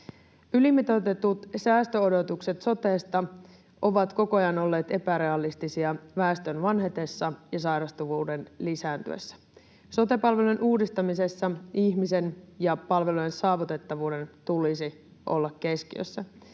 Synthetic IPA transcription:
ylimːit̪ot̪et̪ut̪sæːst̪øodo̞t̪ukset̪so̞t̪e̞ːst̪ɑ | ʔo̞ʋɑt̪ko̞ko̞jɑno̞lːe̞ːt̪e̞pæɾe̞ɑlist̪isiɑʋæːst̪ø̞nʋɑnɦet̪e̞sːɑjɑsɑjɾɑst̪uʋuːde̞nlisæːnt̪y̰ḛsːæ̥ | so̞t̪e̞pɑlʋelunʔuːdist̪ɑmise̞sːɑiçmise̞njɑpɑlʋe̞lujensɑːʋut̪e̞t̪ːɑʋuːde̞nt̪ulisi | ʔo̞̰lːɑkːe̞skiø̰sːæ

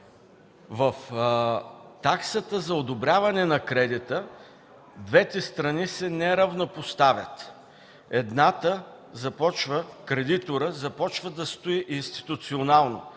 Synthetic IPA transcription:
vɐf | t̪aksət̪əzɐod̪obɾʲavɐnɛnɐkɾɛd̪it̪ə | d̪vɛt̪ɛst̪ɾɐnisɛnɛɾɐvnopost̪avʲjə̰t̪ | ɛd̪nat̪ə | zɐpɔt͡ʃvəkɾɛd̪it̪oɾəzɐpɔt͡ʃvəd̪ɐst̪oiʔinst̪i̥t̪ut̪sionalˠno

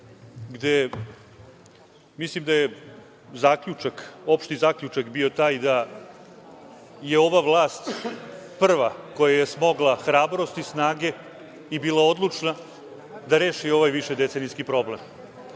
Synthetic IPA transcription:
ɡd̪e | mislimd̪aje | zaːkʎʲut͡ʃako̞pʃt̪izaːkʎʲut͡ʃakbio̞t̪aːjd̪a | je̞o̞ʋaʋlˠaːst̪pr̩ʋako̞jajesmo̞ɡlˠaxɾaːbɾo̞st̪isnaːɡe̞ | ibiːlao̞d̪lˠut͡ʃna | d̪aɾe̞ːʃio̞ʋajʋiʃed̪e̞t̪seniskipɾo̞blem

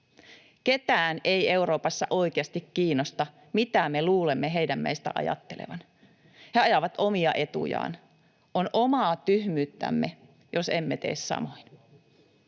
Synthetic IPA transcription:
ket̪æːne̞ie̞uɾoːpɑsːɑʔoijkeɑst̪ikːiːnːost̪ɑ | mit̪æmeluːlemːeɦejdæmːḛjst̪æ̰ʔɑ̰jɑ̰t̪ːelḛʋɑn | heɑjɑʋɑt̪o̞miɑ̰ʔe̞t̪ṵjɑ̰ːn | ʔonʔomɑːt̪yhmyːt̪ːæ̰mːe | josemːet̪e̞̰ːssɑ̰mo̞in

